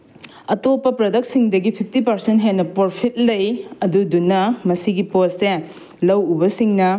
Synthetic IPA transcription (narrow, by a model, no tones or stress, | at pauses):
ɐtopːɐpɾɐdɐk̚siŋdɐɡipʰip̚ʰtipɐɾsentɦenɐpoɾpʰit̚lɐjɐdudunːɐmɐsiɡiposːe | lɐwubɐsiŋnɐ